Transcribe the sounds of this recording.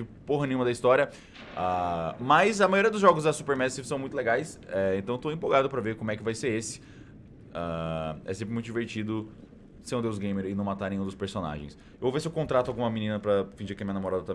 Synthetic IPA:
ɪpoɦɐnẽɲũmɐd̪ɐist̪ɔɾiɐ | amɐzɐmajoɾiɐd̪ʊzʒɔɡʊzd̪ɐsupeɾmɛd͡ʒɐsẽpsɐ̃wmũj̃t̪ʊleɡajsɛẽnt̪ɐ̃w̃t̪oẽpoɡad̪ʊpɾɐveɾkõmʊɛkɪvajseɾesɪ̥ | aɛ̰sẽpɾɪmũt̪ʊd͡ʒiveɾt͡ʃid̪ʊ | seɾũd̪ewzɡẽj̃meɾɪnɐ̃w̃mat̪aɾnẽjũd̪ʊspeɾsona̰ʒḛ̃j̃s | wvesɪewkõnt̪ɾat̪ʊawɡũmɐminĩnɐpɾɐfĩd͡ʒiɾkɪɐmiɲɐnamoɾad̪ɐt̪ɐav

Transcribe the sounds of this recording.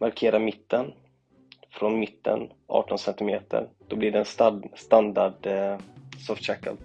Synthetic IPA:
maɾkʰeːɾamɪt̪ːən | fɾɔnmɪt̪ːə̰nʔɑ̰ːʈɔnsɛnt̪ɪmeːt̪ʰə̰ɾd̪̥ɔblɪɖɛɛnsst̪and̪aɖ | sɔft̪ɕakə̰l

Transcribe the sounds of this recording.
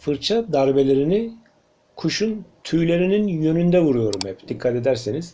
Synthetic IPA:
fɯɾt͡ʃʰad̪aɾbe̞lʲe̞ɾini | kʰuʃunt̪ʰyjlʲe̞ɾininjø̞nynd̪ɛvuɾujo̞ɾumhɛpd̪̥ikʰːat̪e̞d̪æɾseniz̥

